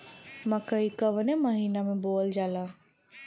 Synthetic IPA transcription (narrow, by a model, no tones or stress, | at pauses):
mɐkəikəʋneməɦiːnamẽboːld͡ʒaːlaː